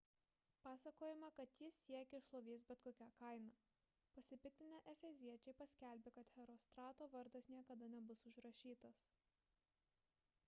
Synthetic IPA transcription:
pɑːsɐkoːjɪmɐkɐt̪jɪsʲːiɛkʲɛɪʃlˠoːʋʲiːsbʲɛt̪koːkʲækɐɪnɑː | pɐsʲɪpʲɪt̪ʲɪnʲɛʔɛfʲɛzʲiɛt͡ʃʲɛɪpɐsʲkʲæˑlʲbʲekɐt̪hʲɛɾoːst̪ɾɑːt̪oːʋɐɾd̪ɐsnʲiɛkɐd̪ɐnʲɛbʊsʊʒɾɐʃʲiːt̪ɐs

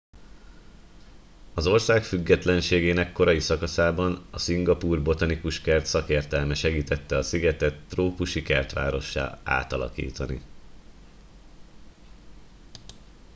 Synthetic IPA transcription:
ɒzo̞rsaːkfyɡːɛt̪lɛnʃeːɡeːnɛkːo̞ɾɒjisɒkɒsaːbɒnɒsiŋɡɒpuːrbo̞t̪ɒnikuʃkɛrt̪sɒkeːrt̪ɛlmɛʃɛɡiːt̪ɛt̪ːɛɒsiɡɛt̪ɛt̪ːroːpuʃikɛrt̪ʋa̰ːɾo̞ʃːa̰ːa̰ːt̪ɒlɒ̰kḭːt̪ɒnḭ

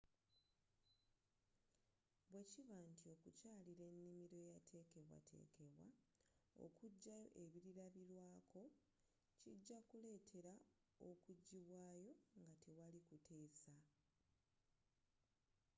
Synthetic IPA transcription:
βwe̞ciβantio̞kucaːliɾe̞nːimiɾo̞jatʰe̞ːke̞βwa̰tʰe̞̰ːke̞βwao̞̰kuɟːajoʔeβiɾiɾaβiɾwaːkʰo̞ | ciɟːakule̞ːtʰe̞ɾa | o̰kuɟːiβwaːjo̞ŋɡatewalikutʰe̞ːsa

